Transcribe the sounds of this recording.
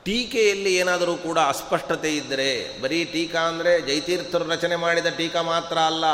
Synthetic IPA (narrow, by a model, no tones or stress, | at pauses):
ʈiːkejɐlːieːnaːd̪ɐɾuːkuːɽɐːspɐʂʈɐt̪e̞id̪ːɐɾe̞bɐɾiʈiːkaːɐnd̪ɐɾe̞d͡ʒɐjt̪iːɾt̪ʰːɐɾuɾɐt͡ʃɐnemaːɽid̪ɐʈiːkɐmaːt̪ɾɐːlːɐ